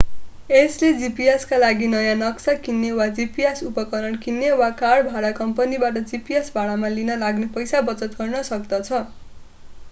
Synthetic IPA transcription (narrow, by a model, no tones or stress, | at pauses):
esled͡zipieskalaɡinʌjãnʌksakinːewad͡zipiesupʌkʌɾʌɳkinːewakaɽbʱaɽakʌmpʌnibaʈ̬ʌd͡zipiesbʱaɭamalinʌlaɡnepʌjsabʌt͡sʌt̪ɡʌrnʌsʌkd̪ʌt͡sʰʌ